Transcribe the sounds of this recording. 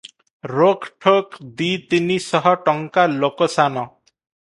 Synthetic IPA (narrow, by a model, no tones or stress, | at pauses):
ɾokʰʈʰokd̪it̪inisɔɦɔʈɔŋkalokɔsanɔ